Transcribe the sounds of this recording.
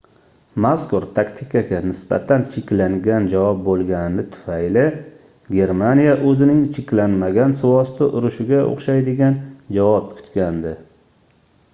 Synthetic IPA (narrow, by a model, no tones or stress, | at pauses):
maskʊɾt̪ʰakt̪ʰɪkʲʰaɡʲanɪsba̰t̪ʰant͡ʃʰɪkʲlaŋɡʲand͡ʒavɒp̚bolˠɡʲanɪnɪt̪ʰʊ̥fajlɪ | ɡʲe̞ɾmanijaʔɵzɪnɪŋt͡ʃʰɪkʲlanmaɡʲansʊwɒst̪ʊʔʊɾʊʃɪɡʲao̰χʃajd̪ɪɡʲand͡ʒavɒp̚kʰʊ̥t̪kʲand̪ɪ